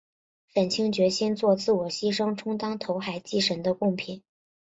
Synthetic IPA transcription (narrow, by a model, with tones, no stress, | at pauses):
fə˨˩nt͡ɕʰi˥ŋt͡ɕɥɛ˧˥ɕɛ˥nt͡swɔ˥˧t͡sɹ̩˥˩wɔ˨˩ɕi˥ʂɤ˥ŋʈ͡ʂʰʊ˥ŋt̪ɑ˥ŋt̪ʰo˧˥ʊxa˨˩ɪt͡ɕi˥˩ʂə˧˥nd̪ə˧kʊ˥˩ŋpʰi˨˩˦n